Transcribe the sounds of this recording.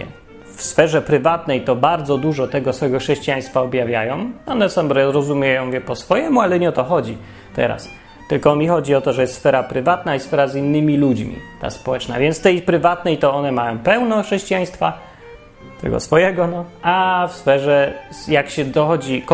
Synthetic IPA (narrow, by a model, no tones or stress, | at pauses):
ɛ̰ | fsfɛʐɛpɾɘvat̪nɛjt̪ɔbaɾd̪zɔd̪uʐɔt̪ɛɡɔsfɔɛɡɔxʂɛɕt͡ɕijaj̃st̪faɔbjavʲjajɔ̃w̃ɔnɛsamd̪ɾɔjɛzɾɔzumʲjɛjɔ̃w̃vʲjɛpɔsfɔjɛmualɛɲɛɔt̪ɔxɔd͡ʑi | t̪ɛ̰ɾa̰s | t̪ɘlkɔmʲixɔd͡ʑiɔt̪ɔʐɛjɛst̪sfɛɾapɾɘvat̪̚naisfɛɾazinːɘmʲilud͡ʑmʲḭt̪a̰spɔwɛt͡ʂna̰vʲjɛnt̪st̪ɛjpɾɘvat̪nɛjt̪ɔɔnɛmajɔ̃w̃pɛwnɔxʂɛɕt͡ɕijaj̃st̪fa | t̪ʰɛ̰ɡɔ̰sfɔjɛɡɔnɔafsfɛʐɛjakɕɛd̪ɔxɔd͡ʑik